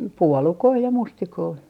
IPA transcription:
puolukoi jɑ mustikoi

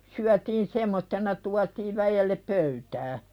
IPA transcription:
syætiːn semːotːenɑ tuɑtiːʋ ʋæjelːep pøytæː

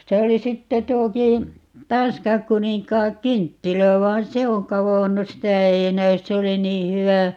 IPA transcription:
se oli sitːe tuokiː tɑnskˑɑŋkuniŋkˑɑːŋkyntːilæ ʋɑin se oŋ kɑʋonːu sitæ ei næys se oli niː hywæ

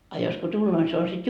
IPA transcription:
ɑ jos ko tulːoː ni se on sit

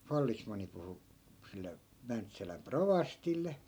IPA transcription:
fɑlːismɑnˑi puhu silːe mæntsælæm proʋɑstilːe

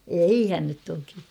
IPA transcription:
eihæn nyt toki

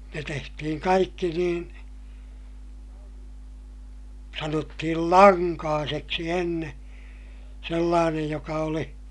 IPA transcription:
ne tehtihiŋ kɑikːi niːn sɑnotːihil lɑŋkɑːseksi enːe selːɑːnej jokɑ oli

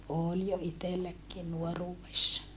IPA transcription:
oːl jo itelːækːiː nuoruːwesːɑ

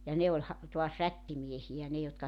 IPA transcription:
jɑ ne olʲ hɑ tuɑs rætːimiehiæ ne jotkɑ

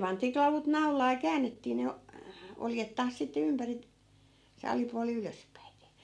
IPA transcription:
pɑntiː klɑʋut nɑu̞lɑː jɑ kæːnːetːiː ne oljet tɑːs sitːe ympæri se ɑlipuɑli yløspæite

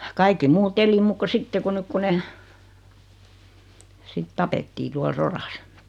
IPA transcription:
kɑikːi muːt eli muːk ko sitːe ku nyk ku ne sit tɑpetːiː tuɑl sorɑs

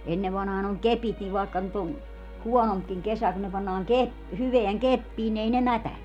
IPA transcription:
enːeʋ ʋɑnhɑːn oŋ kepit niʋ ʋɑˑekːɑ nyt on huɔnompkiŋ kesæ kun ne pɑnːɑːŋ kep hyʋeæŋ kepːiːn ni ei ne mætæne

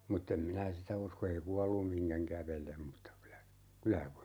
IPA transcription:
mutː em minæ sitæ usko ei kuɑlːum miŋkæŋ kæʋelem mutːɑ kylæ kylæ

